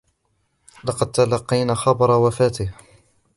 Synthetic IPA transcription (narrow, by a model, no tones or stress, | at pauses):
lɑqɑd̪̚t̪alɑqːɑjnaːxɑbɑɾˤɑwafaːt̪ɪh